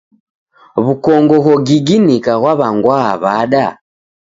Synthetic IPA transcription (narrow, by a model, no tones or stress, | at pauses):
βukɔŋɡɔɣɔɡiɡinikaɣwaβaŋɡwaaβaɗa